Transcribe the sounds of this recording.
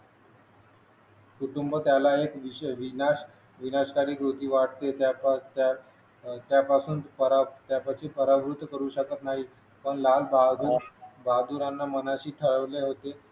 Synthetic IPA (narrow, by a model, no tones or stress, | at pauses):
kuʈumbət̪jalaekʋiʋinaɕ | ʋinaskaɾiːkɾot̪iːʋaʈt̪et̪at̪ | t̪japasuːnpəɾat̪japat͡ɕʰiːpəɾaʋɾut̪ːkəɾuːɕəkət̪naɦi | pəɳlalbad̪bad̪uɾanːamənaɕiːʈʰəɭəʋleɦot̪e